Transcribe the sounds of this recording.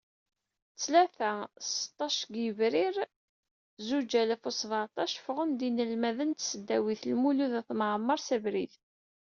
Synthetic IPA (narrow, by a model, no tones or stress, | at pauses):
t͡sːlæθæsə̥t̪ˤːɑʃɡjəvɾiɾ | zud͡ʒælæfosˤvət̪ˤɑʃfʁənd̪inəlmæðənt̪səd̪ːæwiθlmuluðæθmʕmːɑɾˤsævɾiθ